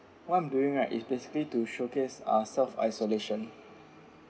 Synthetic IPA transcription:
wãnduĩŋatḭsbesi̥klituʃokesa̰sɛlfa̰jsoleʃɔ̃n

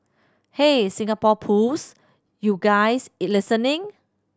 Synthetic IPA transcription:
hesĩŋapɔpʰus | juɡajsitlisə̃nĩŋ

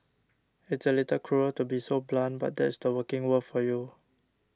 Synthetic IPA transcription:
ɪtsəlitəlkʰɹuəltubisoblãnba̰t̚dɛ̰tsdəwəkɪ̃ŋwəfɔju

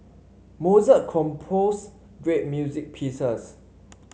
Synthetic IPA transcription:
mozəkʰɔ̃mpʰos | ɡɹet̚mjuzik̚pʰisəs

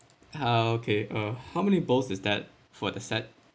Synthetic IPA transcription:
aokʰeʔohaʊmɛnibolsɪsd̪ɛt̚ | fɔdəsɛt̚

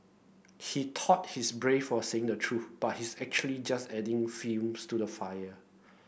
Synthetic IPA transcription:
hitʰɔt̚hisbɹefɔseɪ̃ŋdətʰɹuθb̥at̚hisɛk̚t͡ʃuəlid͡ʒastɛdɪ̃ŋfĩmstudəfajə

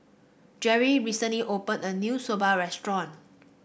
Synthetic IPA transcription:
d͡ʒɛɹiɹisə̃nliʔopə̃nənjusobaɹɛstɹɔ̃n

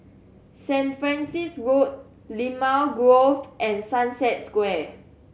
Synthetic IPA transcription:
sɛ̃nfɹɛ̃nsisɹot̚ | limalɡɹofʔɛ̃nsãnsɛt̚skwɛ

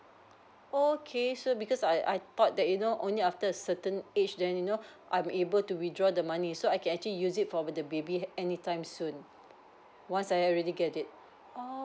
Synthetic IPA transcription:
okʰesobikɔsajʔa̰jt̪ɔt̚dɛt̚junoʔõ̰nliaftəəsətə̃net͡ʃdɛ̃njunoʔã̰j̃mebəltuwidɹɔdəmanisoajkɛ̃nɛk̚t͡ʃuəlijusitfɔdəbebiɛnitãɪ̃msũn | wãnsajɹɛdiɡɛtit̚ | o

